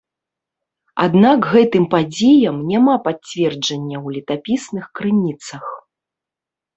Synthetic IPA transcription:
a̰d̪nakɣɛt̪ɨmpad͡zʲejɐmnʲamapat͡sʲvʲɛrd͡ʐɐnʲːɐwlʲit̪apʲisnɨxkɾɨnʲit̪sɐx

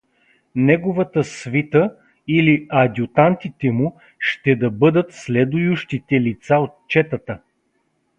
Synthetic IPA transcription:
nɛɡʊvɐt̪əsvit̪ə | iliɐd̪ʲjʊt̪ant̪it̪ɛmu | ʃt̪ɛd̪ɐbɤd̪ət̪slɛd̪ʊjʊʃt̪it̪ɛlit̪saot̪̚t͡ʃɛt̪ət̪ə

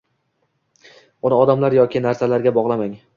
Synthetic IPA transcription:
ʊnɪɒd̪amlaɾjɒkʲɪnaɾsalaɾɡʲabɒʁlˠamaŋ

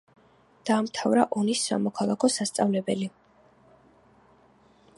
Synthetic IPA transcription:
d̪̥aːmt̪ʰavɾaʔɔnisːa̰mɔkʰalˠakʰɔsast̪sʼavlɛbɛli

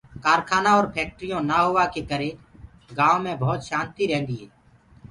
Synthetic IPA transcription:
kaːɾkʰaːnaɔːɾpʰeːk̚ʈɾijõːnaɦoːʋakekəɾẽː | ɡãːõmẽːbʱɔːt̪ʃãːnt̪iɾɛ̃ɦːnd̪iːɦɛː

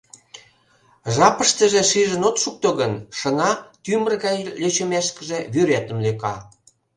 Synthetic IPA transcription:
ʒɑpəʃt̪əʒĕʃiʒənot̪ʃuk̚t̪oɣənʃə̆nɑt̪ymərɣɑjlʲøt͡ɕəmeʃkə̆ʒeβyɾet̪ə̆mlekɑ

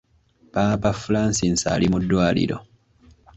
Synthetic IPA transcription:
paːpafulaːnsinsa̰ːlimudːwaːlḭɾo̞̰

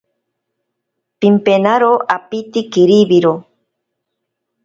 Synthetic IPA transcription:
pimpenaɾoʔapit̪ikiɾiβiɾo

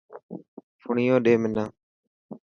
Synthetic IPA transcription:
fʊɳiːjõːɗeːmɪnaː

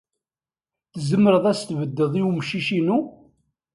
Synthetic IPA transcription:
θzəmːəɾəðˤæst̪vəd̪ːəðˤiwmʃiʃinu

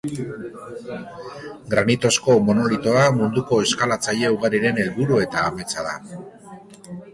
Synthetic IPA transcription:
ɡɾanit̪o̞sko̞mo̞no̞lit̪o̞amund̪uko̞e̞skalat͡saʎe̞uɣaɾiɾe̞ne̞lβuɾue̞t̪aːme̞t͡saða̰

